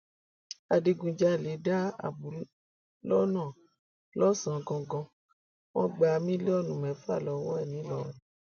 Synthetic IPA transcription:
a˨di˧ɡũ˧d͡ʒa˧˦˨le˨˦da˦a̰˨bu˨˦ | lɔ˦nã˦˨ | lɔ˦sã˨˧ɡɔ̃˧ɡɔ̃˧ | wɔ̃˦ɡ͡ba˧mĩ˦lɔ˦˨nũ˨mɛ̃˨˦fa˦˨lɔ˨˦wɔ˦ɛ˦˨nĩ˨˦lɔ˦ɛ˨

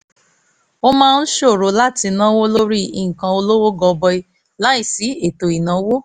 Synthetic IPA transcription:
o˦mãː˦˧n̩˦ʃo˦˨ɾo˧˦la˦ti˧nã˦wo˦lo˦ɾi˦ḭ˧˨ŋ̩˨kã˧o˧lo˦wo˦ɡɔ˧bɔ˧i˧ | la˨˦i˦˨si˨˦e˦˨to˨i˨nã˨˦wo˦

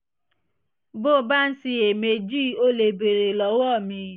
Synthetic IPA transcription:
bo˦˨˦ba˦n̩˦si˧e˨me˧d͡ʒi˦˨o˧˦le˨be˨ɾe˨lɔ˨˦wɔ˦˨mĩ˧

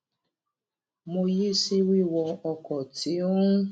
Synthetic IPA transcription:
mo˧je˦si˦wi˦˨wɔ˧ɔ˧kɔ˨ti˨˦

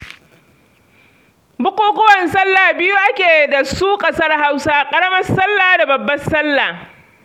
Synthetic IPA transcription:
bʊ˦kʷuː˦kʷʊ˦wɐ˨nsɐ˦lːaː˨bɪ˦ju˦ʔa˦kʲeː˨da˨suː˦kʼɐ˦sɐ˦rɦa˦wsaː˦kʼɐ˦ɽɐ˦mɐ˦sɐ˦lːaː˨da˨bɐ˨bːɐ˦sɐ˦lːaː˨

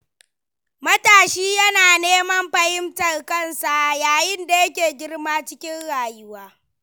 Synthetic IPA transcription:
mɐ˦taː˨ʃiː˦jɐ˦naː˨neː˦mɐ˦mɸɐ˦hɪ˦mtɐ˨rkɐ˦˨nsa˨ʔjaː˨jɪ˦nda˨jɐ˦kʲeː˨ɡʲɪ˦rmaː˦t͡ʃɪ˦kʲɪ˦nɽaː˨jʊ˦waː˦

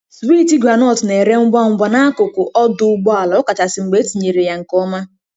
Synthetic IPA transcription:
sbi˦ti˦ɡɾa˨nɔ˦˨tne˨ɾe˦ŋ͡m̩˦ɡ͡ba˦ŋ͡m̩˦ɡ͡ba˦na˦a˦kʊ˨kʊ˨ʔɔ˦dʊ˦ʊ˦ɡ͡bɔ˦a˨la˨˦ʊ˦ka˨ta˨sɪ˨ŋ͡m̩˨ɡ͡be˦ti˨ɲe˨ɾe˨ja˨ŋ̩˨kɔ˦ma˦

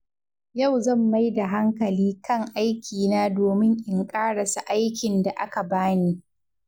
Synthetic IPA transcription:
ja˦˨wzɐ˦˨mːa˦jda˨ɦa˦ŋkɐ˨liː˦kɐ˦ŋʔa˦jkʲʰiː˨naː˦doː˨mɪ˦ŋʔɪ˨ŋkʼaː˦ɽɐ˨sa˨ʔa˦jkʲɪ˨nda˨ʔa˦ka˨baː˦niː˦

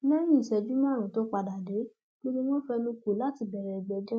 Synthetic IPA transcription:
nã˦jĩ˦˨i˨sɛ˧d͡ʒu˦mã˦˨ɾũ˨˦to˨˦k͡pa˧da˨de˨˦ | ɡ͡bo˦ɡ͡be˦wɔ̃˦fɛ˧nũ˧ku˨˦la˦ti˧bɛ˨ɾɛ˨i˨ɡ͡bɛ˨˦d͡ʒɛ˦

